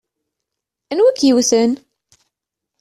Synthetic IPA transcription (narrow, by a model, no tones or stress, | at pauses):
ænwækːjiwθən